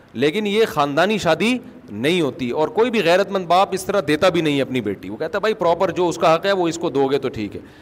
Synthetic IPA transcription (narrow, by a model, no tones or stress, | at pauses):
leːkɪnjexaːnd̪aːniʃaːd̪i | nɐɦĩɦoːt̪iɔːɾkoːibʱiɣɛːɾət̪mɐ̃nd̪baːpɪst̪ɐɾad̪eːt̪abʱinɐɦĩɐpnibḛːʈḭʋokɛɦt̪aɦɛbʱaːipɾɔːpəɾd͡ʒoːʊskaɦɐqɦɛʋoɪskod̪oːɡet̪oʈʰḭːkɦɛ̰ː